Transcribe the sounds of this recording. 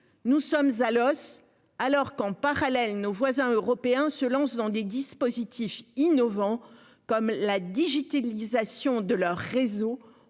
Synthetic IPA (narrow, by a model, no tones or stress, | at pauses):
nusɔmzalɔs | alɔʁkɑ̃paʁalɛlnovwazɛ̃øʁɔpeɛ̃səlɑ̃sd̪ɑ̃d̪ed̪ispozit̪ʰifinɔvɑ̃ | kɔmlad̪iʒit̪alizasjɔ̃d̪əlœʁːezo